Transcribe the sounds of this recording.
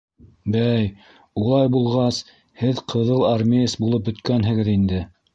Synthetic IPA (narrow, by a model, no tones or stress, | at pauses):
bæj | ulˠɑjbulˠʁɑs | hɘðqʰɤ̆ðɤlˠaɾmʲesbulˠɤp̚bɵ̆t̪kænɦɘ̆ɡɘðind̪ɘ